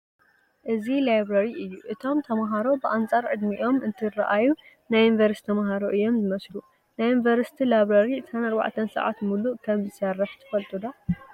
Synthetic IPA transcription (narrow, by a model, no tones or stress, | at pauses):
ʔɨzilajbɾɐɾiʔɨjːuʔɨt̪ʰo̞mt̪ʰɐmaɦaɾo̞bɨʔant͡sʼaɾʕɨd̪miʔo̞mʔɨnt̪ʰɨrɐ̰ʔaju | najunvɐɾst̪ʰɐmaɦaɾoʔɨjːo̞mzɨmɐslu | najunvɐɾsi̥t̪ʰilajβɾɐɾisanɐɾβa̰ʕt̪ʰɐnsɐ̰ʕa̰t̪muluʔkʰɐmzɨsɐrːɨħt̪ʰɨ̥fɐlt̪ʼud̪o